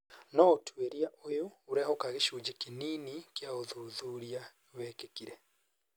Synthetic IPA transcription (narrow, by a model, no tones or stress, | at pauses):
nɔotʰweɾiaʔojoːɾeaokaɣeʃuːd͡ʒekininikeaoðuːðuːɾia | wɛːkekiɾɛ